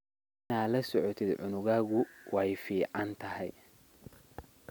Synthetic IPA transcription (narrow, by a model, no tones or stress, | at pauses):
ɪnaːlɐsɔʕɔt̪ʰɪd̪ʕʊnʊɣaːɣʊwɑjfiːʕɑnt̪ʰɐhɛ̰j